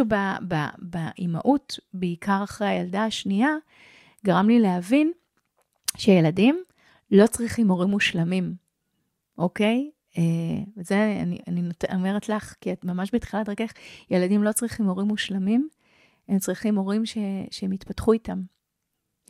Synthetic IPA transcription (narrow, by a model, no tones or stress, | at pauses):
ubaba̰baʔima̰ʔutbeikʰaʁaχʁejajaldaaʃnia | ɡaʁamlilehavin | ʃejeladim | lo̞t͡sʁiχimo̞ʁimːuʃlamim | ʔoke̞j | evezea̰nḭa̰ninotomeʁetlaχkiatmamaʃbetχilatʁekeχjeladimlo̞t͡sʁiχimo̞ʁimːuʃlamim | emt͡sʁiχimo̞ʁimʃeʃeemitpatχuitam